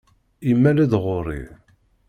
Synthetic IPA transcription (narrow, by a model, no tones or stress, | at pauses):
imːælæðʁʊɾḭ